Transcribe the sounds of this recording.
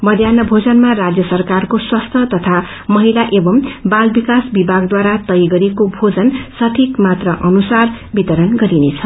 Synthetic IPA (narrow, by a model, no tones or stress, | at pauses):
mʌd̪ʱjanʌbʱod͡zʌnmarad͡zjʌsʌrkarkoswast̪ʰʌt̪ʌt̪ʰa | mʌɦilaʔebʌmbalbikasbibʱaɡd̪waɾat̪ʌjɡʌɾekobʱod͡zʌnsʌʈʰikmat̪rʌʔʌnusar | bit̪ʌɾʌnɡʌɾinet͡sʰʌ